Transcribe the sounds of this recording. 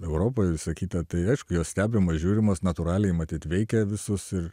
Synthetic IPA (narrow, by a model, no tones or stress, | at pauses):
ɛʊɾoːpojsɐkʲiːt̪ʲɐt̪ɐɪɐɪʃkʊjoːssʲt̪ʲæːbʲɪmɐsʒʲuːɾʲɪmɐsnɐt̪ʊɾɑːlʲɛjmɐt̪ʲiːt̪ʋʲɛɪkʲɛʋʲɪsʊsɪr